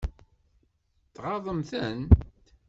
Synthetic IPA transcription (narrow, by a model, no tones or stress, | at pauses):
θʁɑðˤəmθənt̪